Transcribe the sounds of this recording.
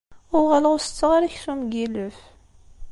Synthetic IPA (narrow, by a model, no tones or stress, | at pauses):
ʊʁaləʁʊsə̥t͡sːəʁaɾæçθumɡiləf